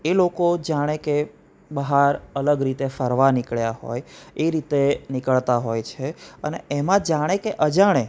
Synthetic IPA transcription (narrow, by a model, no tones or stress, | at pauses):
elokod͡ʒaɽ̃eke | bəɦaɾələɡɾit̪efəɾʋanikɭjaɦo̰jeɾit̪enikəɭt̪aɦojt͡ʃʰeəneemãd͡ʒaɽ̃ekeʔəd͡ʒaɽ̃e